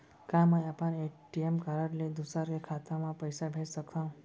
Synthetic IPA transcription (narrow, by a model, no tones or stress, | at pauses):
kaməjapaneʈiemkaɾaʈled̪usaɾkekʰat̪amãpəjsabʱeɾsəkt̪aũ